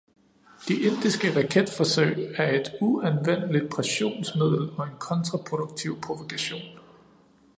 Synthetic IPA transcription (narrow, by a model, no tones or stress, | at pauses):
d̥iʔe̝n̰d̥isɡ̥əʁɑ̈kʰed̥fɒ̽søɪ̰æɐe̝d̥uænʋen̰əlid̥̚pʰʁɛɕo̝̰ːnsmið̞̰ˠl̩ˠɒ̽e̝nkʰɒ̽nt͡sʰʁɑ̈pʰʁo̝d̥uɡ̥̚t͡sʰiʊ̰pʰʁo̝ʋokʰæɕo̝̰ːn